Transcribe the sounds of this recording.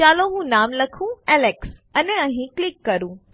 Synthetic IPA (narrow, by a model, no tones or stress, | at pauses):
aːloɦũnaːmlɐkʰũɛːleksɐnɐɦĩklɪkːɐɾũ